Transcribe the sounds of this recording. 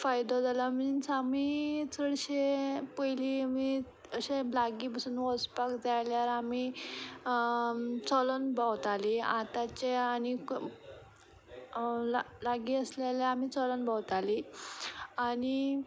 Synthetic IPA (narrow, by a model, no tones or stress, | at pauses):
fajd̪od͡zalam̤əinsamit͡sʰəɽɕepəjlimi | əɕẽlaɡiːpəsuːnʋɔspakd͡zajljaɾami | t͡sɔlənbawt̪aliat̪at͡ɕeaɽ̃i | l | laɡiəsleleamiːt͡sɔlənbawt̪ali | aɽ̃i